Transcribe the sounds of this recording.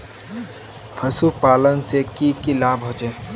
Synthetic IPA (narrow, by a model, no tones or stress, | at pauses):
pʰɐsupaːlənsekikilaːbʱõt͡ʃeː